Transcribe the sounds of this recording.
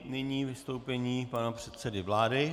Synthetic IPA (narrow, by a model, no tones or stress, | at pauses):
nɪɲiːvɪst̪owpɛɲiːpanapr̝̥ɛt̪sɛdɪvlaːdɪ